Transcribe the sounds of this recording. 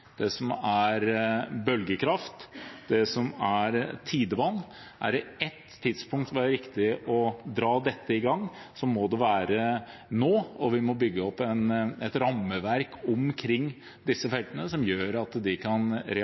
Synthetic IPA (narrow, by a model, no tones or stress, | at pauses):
d̪̥ɛsɔmæɾbœlɡəkʰɾɑft̪d̪ɛsɔmæɾt̪ʰiːd̪əʋɑnː | ʔæ̰ɾɪɛt̪ʰːɪd̪spʊŋk̚t̪ʋɪæɾɾɪkt̪ɪʔɔd̪ɾɑːd̪ɛt̪ːəɪɡɑŋː | sɔmɔd̪ɛʋæːɾənoːɔʋɪmɔbʏɡːəɔpːɛnɛt̪ɾɑmːəʋæɾkʰɔmkʰɾɪŋː | d̪ɪsːəfɛlt̪ənəsɔmjøːɾɑt̪d̪ɪkʰɑnɾɛ